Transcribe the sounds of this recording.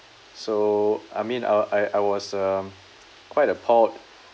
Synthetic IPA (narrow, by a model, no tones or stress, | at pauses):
soʔa̰ɪmĩna̰aɪʔaɪwɔsəm | kʰwaɪtəpʰɔt̚